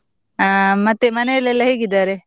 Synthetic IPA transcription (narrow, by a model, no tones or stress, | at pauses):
amɐt̪ːemɐnejɐlɛlːɐɦeːɡid̪aːɾe